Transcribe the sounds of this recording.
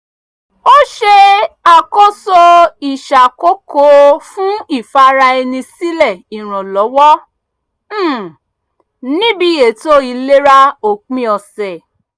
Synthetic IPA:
o˦ʃe˧a˨ko˦so˧i˨ʃa˨ko˦ko˦fũ˦i˦˨fa˦ɾa˧ɛ˧nĩ˧si˦lɛ˦˨i˨ɾ̃ɔ̃˨lɔ˨˦wɔ˦ | nĩ˦bi˧˦˨e˨to˦i˨˧le˦ɾa˧o˨k͡pĩ˧˦ɔ˨sɛ˨

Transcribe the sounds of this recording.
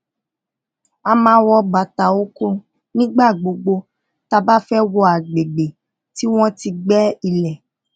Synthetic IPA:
a˧mãː˧˦wɔ˧ba˨ta˨o˦ko˧ | nĩ˦ɡ͡ba˦˨ɡ͡bo˧ɡ͡bo˧ | ta˧ba˦fɛ˦wɔ˧a˨ɡ͡be˨ɡ͡be˨ | ti˦w̃ɔ̃˦ti˧ɡ͡bɛ˦i˧lɛ˨

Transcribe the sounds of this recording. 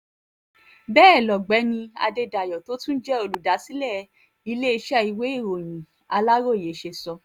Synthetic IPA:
bɛː˦˨lɔ˨ɡ͡bɛ˨˦nĩ˧a̰˧de˧da˨jɔ˨to˨˦tũ˦n̩˦d͡ʒɛ˦o˧lu˨da˨˦si˦lɛ˦˨ | i˧le˦i˧ʃɛ˦˨i˧we˦i˦˨ɾo˨j̃ĩ˨ | a˧la˦ɾo˦˨je˨˦ʃe˧sɔ˧

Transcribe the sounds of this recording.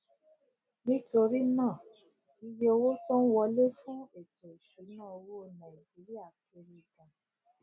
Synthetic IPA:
nĩ˦to˧ɾi˦nãː˦˨ | i˧je˦o˧wo˦tɔ̃˦n̩˦wɔ˧le˦fũ˦e˨to˨i˨ʃu˨˦nãː˦˨o˧wo˦nã˨i˨d͡ʒi˨˦ɾi˦a˦˨ke˧ɾi˦˨ɡã˧

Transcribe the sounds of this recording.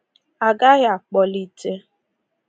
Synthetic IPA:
a˨ɡa˦ɣɪ˦a˨k͡pɔ˨li˦te˦

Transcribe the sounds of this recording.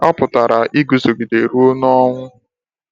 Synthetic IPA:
ɔ˦pʊ˨ta˨ɾa˨ʔi˦ɡu˨zo˨ɡi˨de˨ɾu˦o˦n˦ɔ˦ŋʷʊ˦

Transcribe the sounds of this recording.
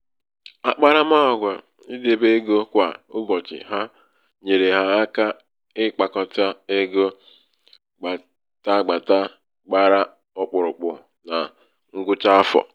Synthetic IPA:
a˨k͡pa˦ɾa˦m˦a˦ɔ˨ɡʷa˨ | i˦de˨be˦ɡo˦kʷa˨ʊ˦bɔ˨t͡ʃɪ̰˨ɦa˦ | ɲe˨ɾe˨ɦa˦ka˦ | ɪ˦k͡pa˨kɔ˨ta˦e˦ɡo˦ | ɡ͡ba˨ | ta˦ɡ͡ba˨ta˦ | ɡ͡ba˦ɾa˦ | ɔ˦k͡pʊ˨ɾʊ˨k͡pʊ˨ | na˨ | ŋ̩˦ɡʊ˦t͡ʃa˦fɔ̰˨

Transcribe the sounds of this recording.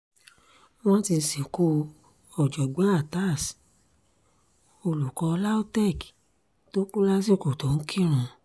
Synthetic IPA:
w̃ɔ̃˦ti˧si˨ko˧ | ɔ˨d͡ʒɔ˨ɡ͡ba˨˦a˦˨ta˦˨s | o˨lu˨kɔ˧la˦o˦tɛ˦˨ki̥˨ | to˦ku˦la˦si˦˨ko˨to˨˦n̩˦kʰi˦˨ɾ̃ũ˧

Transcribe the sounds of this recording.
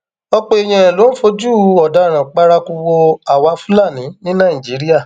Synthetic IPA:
ɔ˧k͡pe˧˨e˧j̃ã˧˨ɛ̃˨lo˨˦n̩˦fo˧d͡ʒu˦˨ɔ˨da˧˨ɾ̃ã˨k͡pa˧ɾa˧ku˧wo˧a˨wa˧fũ˦la˦˨nĩ˨˦nĩ˦nã˦˨d͡ʒi˨˦ɾi˦a˦˨

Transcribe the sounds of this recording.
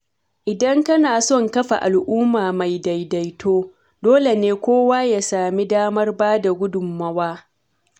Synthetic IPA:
ʔɪ˨dɐ˦ŋkɐ˦naː˨sɔ˦ŋkɐ˦ɸa̰˨ʔa̰˨lʔʊː˦maː˨ma˨jda˨jda˨jtʰoː˦ | doː˦le˨neː˦kʷoː˦waː˦jaː˨saː˨mi˦daː˦mɐ˦rbaː˦da˨ɡʷʊ˦dʊ˨mːɐ˦waː˦

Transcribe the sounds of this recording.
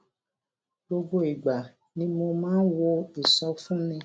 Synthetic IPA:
bo˧ɡ͡bo˧i˨ɡ͡ba˨ | nĩ˧˦mo˧mãː˦n˦wo˧i˨sɔ˧˦fũ˦nĩ˧

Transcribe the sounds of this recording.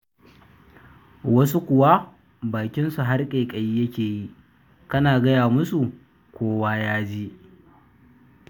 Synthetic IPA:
wɐ˦s̬u˦kʷʊ˨wa˦ | baː˨kʲɪ˦nsu˨ɦa˦rkʼeː˨kʼɐ˨jiː˦jɐ˦kʲeː˨ji˦ʔ | kɐ˦naː˨ɡɐ˦jaː˨mʊ˦su˨ | kʷoː˦waː˦jaː˦d͡ʒiː˦ʔ

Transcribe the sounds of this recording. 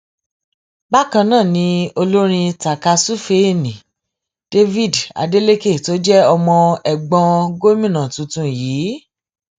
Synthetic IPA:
ba˦kã˧nãː˦˨nĩ˧˦o˧lo˦ɾ̃ĩ˧ta˨ka˧su˦fe˧e˦˨nĩ˨ | d̥e˧vi˦˨da̰˧de˦le˦ke˦˨to˨˦d͡ʒɛ˦ɔ˧mɔ̃˧ɛ˨ɡ͡bɔ̃˧ɡo˦mĩ˦˨nã˨tũ˨tũ˧jiː˨˦

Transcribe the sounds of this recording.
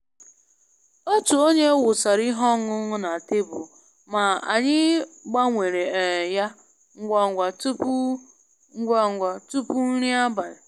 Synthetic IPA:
o˦tu˨o˦ɲe˦wʊ˨sa˨ɾi˦ɦɔ˦ŋʊ˦ŋʊ˦na˨te˦bʊ˨ | ma˨a̰˨ɲɪ˦ɡ͡ba˦ŋʷe˨ɾe˨ja˦ | ŋ̩˦ɡʷa˨ŋ̩˨ɡʷa˨tu˦p | ŋ̩˦ɡʷa˦ŋ̩˨ɡʷa˨tu˦pʊ˦n̩˦ɾi˦a˦ba˨ɾɪ˨

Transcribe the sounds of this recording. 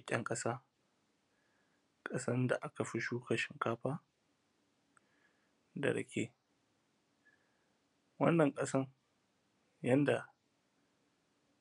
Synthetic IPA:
kʲʼɛ˦ŋkʼɐ˦saː˦ | kʼɐ˦sɐ˦nda˨ʔa˦ka˨ɸɪ˦ʃuː˦ka˨ʃɪ˨ŋkaː˦ɸaː˦ | dɐ̰˨ɽɐ̰˨kʲʰeː˦ | wɐ̰˦nːɐ˨ŋkʼɐ˦sɐ˦r | jɐ˦nda˨

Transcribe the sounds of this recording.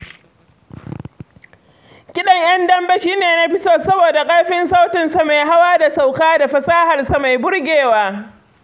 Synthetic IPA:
kʲɪ˦ɗɐ˦˨ɲj̰ɐ˦ndɐ˦mbɐ˦ʃiː˦neː˨na˦ɸɪ˦soː˦sɐ˦boː˨da˨kʼɐ˦ɽɸɪ˦nsa˦wtɪ˨nsa˨ma˨jɦa˦waː˦da˨sa˨wkaː˦da˨ɸɐ˨saː˦ha˨rsa˨ma˨jbʊ˦ɽɡʲeː˨waː˦

